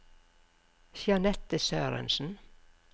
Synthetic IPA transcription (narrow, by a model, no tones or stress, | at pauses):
ʃjɑnɛt̪əsøːɾə̰nsn̩